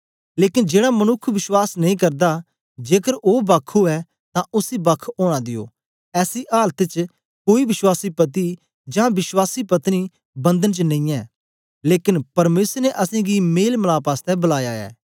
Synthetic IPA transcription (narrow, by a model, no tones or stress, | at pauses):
leːkɪnd͡ʒeːɽamɐnʊkʰʋɪswaːsnɐĩːkɐɾd̪a | d͡ʒeːkəɾoːbaːkʰːuɛː | t̪ãʔʊsibakʰoːɽ̃ãːd̪ɪjo̰ː | ɛːsiʔaːlt̪et͡ʃ | koːiʋɪswaːsipɐt̪̬i | d͡ʒãːʋɪswaːsipɐt̪ni | bɐ̃nd̪ənt͡ʃənɐ̃ĩːɛː | leːkɪnpɐɾmeːsəɾneʔɐsẽɡimeːlməlaːpaːst̪ɛbɐlaːjaːɛ̰ː